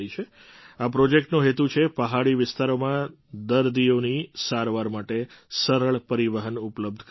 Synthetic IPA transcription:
it͡ʃʰe | apɾɔd͡ʒek̚ʈnoɦet̪ut͡ʃʰepəɦaɭiʋɪst̪ʰaɾomã | d̪əɾd̪ionisaɾʋaɾmaʈesəɾəɭpəɾiʋəɦənupləb̚d̪ʱ

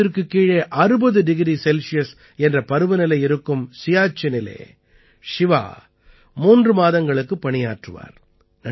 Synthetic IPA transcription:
ɪɾkɯkːiːɻeːʔɐɾɯbɐðɯɖɪɣɪɾisɛlsɪjɐs | ɛndrɐpɐɾɯʋɯnɐlɐɪɪɾɯkːɯmsɪjaːt͡ʃːɐnɪlḛː | ʂɪʋa̰ː | muːndrɯmaːðɐŋɡɐɭɯkːɯpːɐɳɪjaːʈrɯʋa̰ːɾ | nɐ

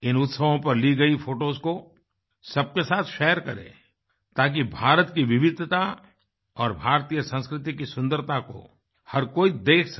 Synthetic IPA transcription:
ɪnʊt̪səʋõpɐɾliɡɐifʰoːʈoːzko | sɐb̚kesaːt̪ʰʃɛːəɾkɐɾḛ̃ː | t̪aːk̬ibʱaːɾət̪kiʋɪʋɪd̪ʱt̪a | ɔːɾbʱaːɾt̪iːjəsə̃nskɾɪt̪ikisʊ̃nd̪əɾt̪ako̰ | hɐɾkoːid̪eːkʰsɐ

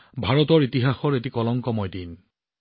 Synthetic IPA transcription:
bʱaɹɔtɔɹitiɦaxɔɹetikɔlɔŋkɔmɔjdin

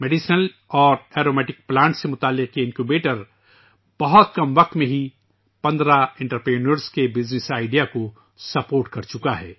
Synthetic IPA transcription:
meɖiʃnəl | ɔːɾeːɾoːmɛːʈɪk̚plãːɳʈsemʊt̪aːlːɪqkiɪ̃nkubeːʈəɾ | b̥ɐɦɔt̪̚kɐmʋɐq̚t̪mẽɦi | pɐ̃nd̪ɾaɪ̃ɳʈəɾpɾeːnəɾskebɪd͡ʒnɪsaːɪɖijako | sɐpoːɾʈkɐɾt͡ʃʊkaɦɛː

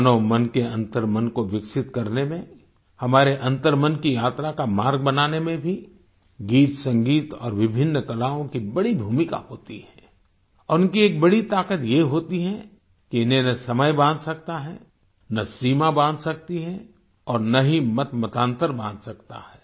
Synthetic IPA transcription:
nomɐnkeɐ̃nt̪əɾmənkoʋɪksɪt̪kɐɾnemẽ | hɐmaːɾeʔɐ̃nt̪əɾmənkijaːt̪ɾakamaːɾɡ̚bɐnaːnemẽbʱi | ɡiːt̪sɐ̃ŋɡiːt̪ɔ̰ːɾʋɪbʱɪnːkɐlaːõkibɐɽibʱuːmɪka̰ɦoːt̪iɦɛ̃ː | ɔːɾʊnkieːk̚bɐɽit̪aːkət̪jeɦoːt̪iɦɛ | kiɪnẽnɐsɐməjbãːnd̪sɐk̚t̪aɦɛ̰ | nɐsiːmabãːnd̪sɐk̚t̪iɦɛ̃ | ɔːɾnɐɦĩmɐt̪mɐt̪ãːnt̪əɾbãːnd̪sɐkt̪a̰ɦɛː

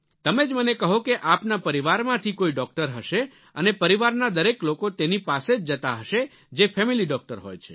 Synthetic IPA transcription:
t̪əmed͡ʒmənekəɦokeʔapnapəɾiʋaɾmãt̪ʰikoiɖɔk̚ʈəɾɦəʃe | ənepəɾiʋaɾnad̪əɾeklokot̪enipased͡ʒd͡ʒət̪aɦəʃe | d͡ʒefʰɛmiliɖɔk̚ʈəɾɦo̰jt͡ʃʰe̥

